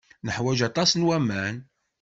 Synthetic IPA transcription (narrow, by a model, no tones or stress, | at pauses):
nəħwæʒɑt̪ˤɑsnwæmːæn